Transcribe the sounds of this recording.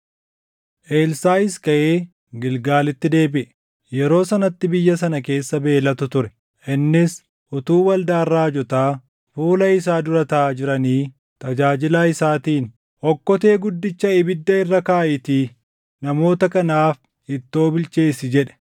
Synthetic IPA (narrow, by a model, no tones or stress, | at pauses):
ʔe̞ːlsaːɪskɐʔeː | ɡɪlɡaːlɪt̪ːɪd̪e̞ːbɪʔɛ | jɛɾo̞ːsɐnɐt̪ːɪbɪjːɐs̬ɐnɐke̞ːsːɐbe̞ːlɐt̪ʊt̪ʊɾɛ | ʔɪnːɪs | ʔʊt̪uːwɐld̪aːrːaːd͡ʒɔt̪aː | fuːlɐɪs̬aːd̪ʊɾɐt̪aːd͡ʒɪɾɐniː | t̪ɐd͡ʒaːd͡ʒɪlaːɪsaːt̪iːn | ʔɔkːɔt̪e̞ːɡʊd̪ːɪt͡ʃːɐɪbɪd̪ːɐɪrːɐkaːʔɪt̪iː | nɐmo̞ːt̪ɐkɐnaːf | ɪt̪ːo̞ːbɪlt͡ʃe̞ːsɪd͡ʒɛᶑɛ̥